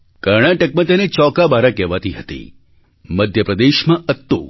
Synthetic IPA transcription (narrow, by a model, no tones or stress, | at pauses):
kəɾɳ̃aʈək̚mãt̪enet͡ʃɔkabaɾakɛʋat̪iɦət̪ḭ | məd̪ʱjəpɾəd̪eʃmãət̪ːu